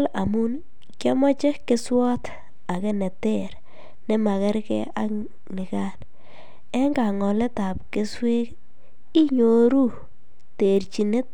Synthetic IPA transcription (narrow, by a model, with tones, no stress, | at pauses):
la̰˨mʊ˦n | kjɔ˦mɔ˦t͡ʃe˦kɪ˦swɔ˦t̪ | a˨ke˦nɛ˨te˦˨ɾ | nɛ˦ma˨kɛ˦ɾkɛ̰˦a˦k | nɪ˨ka˦n | ɛ˦ŋɡa˨ŋɔ˨lɛ˦ta˨pke˦swe˦k | i˦ɲo˨ɾu˦ | te˨ɾt͡ʃi˨ne˦t̪̚